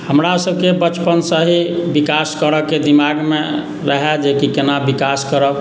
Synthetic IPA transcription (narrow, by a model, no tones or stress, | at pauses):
həmɾasəbkebət͡ʃpənsəɦibikaskəɾəked̪imaɡme | ɾəɦɛd͡ʒekikenabikaskəɾəb